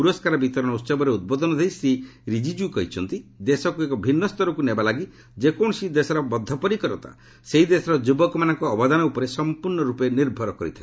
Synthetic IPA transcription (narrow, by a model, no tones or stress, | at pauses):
puɾɔskaɾɔbit̪ɔɾɔnɔut̪sɔbɔɾeud̪̚bɔd̪ɔnɔd̪ʱejsɾiɾid͡ʒid͡ʒukɔɦit͡ʃʰɔnt̪id̪esɔkuekɔbʱinːɔst̪ɔɾɔkunebalaɡi | d͡ʒekɔɳɔsid̪esɔɾɔbɔd̪ʱːɔpɔɾikɔɾɔt̪ʰa̰ | seɦid̪esɔɾɔd͡ʒubɔkɔmanɔŋkɔːbɔd̪anɔupɔɾesɔmpuɾɳɔɾupɔeniɾbʱɔɾɔkɔɾḭt̪ʰa